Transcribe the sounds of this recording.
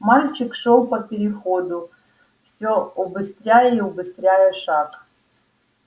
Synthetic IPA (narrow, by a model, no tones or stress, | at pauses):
malʲt͡ʃɪkʂɔlˠpɐpʲeɾʲɪxɔd̪ʊ | fsʲɔɔbɨst̪ɾʲajɛiɔbɨst̪ɾʲajɛʂɑk